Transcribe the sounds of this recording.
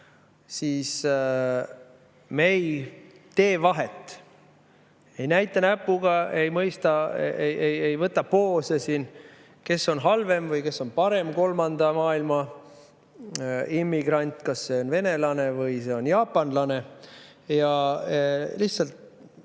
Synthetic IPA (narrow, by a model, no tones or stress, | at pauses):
siːs | mej | t̪e̞ːvɑɦe̞t̪ːˑ | e̞jnæjt̪ːˑɑnæpːuɡɑe̞jmɤjst̪ɑejejejvɤt̪ːˑɑpo̞ːsesiːn | ke̞sːo̞nɦɑlve̞mvɯjke̞sːo̞npɑɾe̞mko̞lmɑnd̪̥ɑmɑːilmɑ | imːiɡɾɑnʲt̪ˑkɑsːe̞o̞nve̞ne̞lɑne̞vɯjse̞o̞njɑːpːˑɑnlɑne̞ | jɑ | lihtsɑlt̪